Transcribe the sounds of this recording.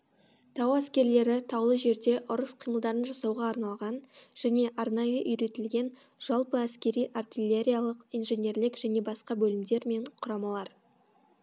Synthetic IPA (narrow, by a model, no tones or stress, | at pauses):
t̪ʰɑwæskʲe̞ɾle̞ɾɪt̪ʰɑwlˠəʒe̞ɾd̪e̞ʔʊɾəsqʰijməlˠd̪ɑɾənʒɑsɑwʁɑːɾnɑlˠʁɑnʒ̥æne̞ʔɑɾnɑjəʔʏjɾe̞t̪ɪlɡʲe̞n | ʒ̥ɑlˠpəæskʲe̞ɾijʔart̪ilʲeɾʲijalˠəqijnʒe̞nʲe̞ɾlɪkʒ̥æne̞bɑsqɑbɵlɪmd̪e̞ɾme̞ɴqʰʊɾɑmɑlˠɑɾ